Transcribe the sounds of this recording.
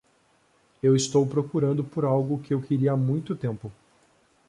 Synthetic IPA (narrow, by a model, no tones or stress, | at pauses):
ewɪst̪owpɾokuɾɐ̃nd̪ʊpoɾawɡʊkɪewkɪɾiɐmũj̃t̪ʊt̪ẽmpʊ